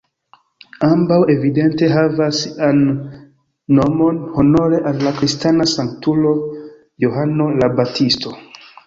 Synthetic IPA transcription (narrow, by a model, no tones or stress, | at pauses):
ambawe̞vide̞nte̞ɦavasanː | o̞mo̞nho̞no̞ɾe̞ʔalːakɾistanasaŋktulo̞ | joɦano̞labatʰisto̞